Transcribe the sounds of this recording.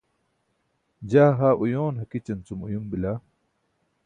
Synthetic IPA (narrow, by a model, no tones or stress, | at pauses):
d͡ʑaːɦaːʔujoːnɦɐkit͡ɕɐnt͡sumujumbilaː